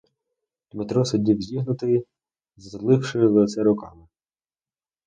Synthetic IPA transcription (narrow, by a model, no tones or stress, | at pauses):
d̪mɪt̪ɾɔsɔdʲiwzʲiɦnʊt̪ɪi | zlˠɪwʃɪlˠet̪sɛɾʊkɑmɪ